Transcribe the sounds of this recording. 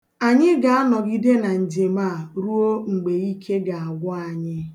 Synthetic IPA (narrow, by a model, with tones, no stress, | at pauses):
a˨ɲɪ˦ɡa˨a˦nɔ˨ɡi˦de˦na˨n̩˨d͡ʒe˨ma˦˨ɾu˦o˦ŋ͡m̩˨ɡ͡be˨i˦kʰe˦ɡa˨a˨ɡʷɔ˦a˨ɲɪ˦